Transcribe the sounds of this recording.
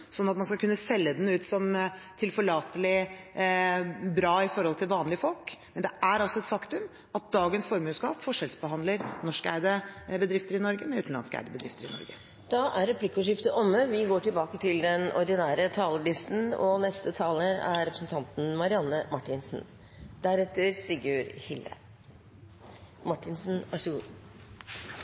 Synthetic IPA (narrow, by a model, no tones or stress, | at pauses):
sɔnːɑt̪mɑnskɑkʉnːəsɛlːəd̪ɛnʉːt̪sɔmt̪ʰɪlfɔɭɑːt̪əlɪ | bɾɑːɪfɔɾhɔlt̪ʰɪlʋɑːnlɪəfɔlkmmɛnd̪ɛæɾɑlsɔɛt̪fɑkt̪ʉm | ɑt̪̚d̪ɑːɡənsfɔɾmʉːskɑ̰ːpfɔʂɛlsbəɦɑnd̪ləɾnɔʂkæ̰ɪd̪əbəd̪ɾɪft̪əɾɪnɔɾɡəmɛʉːt̪n̩lɑ̰nskəæ̰ɪd̪əbəd̪ɾɪft̪əɾɪnɔ̰ɾɡə | d̪̥ɑːʔæɾːɛpʰlɪkːəʉʂɪft̪əʔɔmːəʋɪɡoːʈʰɪlbɑːkət̪ʰɪld̪ɛnɔ̰ɾd̪ɪnæːɾət̪ʰɑːləɭɪst̪n̩ɔ̰nɛst̪ət̪ʰɑːləɾæ̰ɾɛpɾəsn̩t̪ʰɑnt̪n̩mɑɾɪɑnːəmɑʈːɪnsn | d̪̥æɾɛt̪ːəɾsɪɡʉɾhɪlə̰ | mɑʈːɪnsn̩ɑʂ